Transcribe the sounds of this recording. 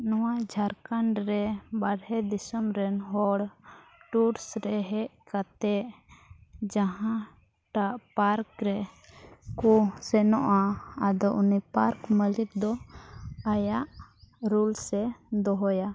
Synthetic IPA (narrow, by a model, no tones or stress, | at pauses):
nɔwad͡ʒʱaɾkaɳɖɾɛbaɽɛd̪isəmɾɛnɦɔɽʈuɾsɾɛɦɛʔkat̪ɛʔ | d͡ʒaɦã | ʈaʔpaɾkɾɛ | kusɛnɔʔaːd̪ɔʔunipaɾkməlit̪̚d̪ɔ | ajaʔɾulsɛd̪ɔɦɔja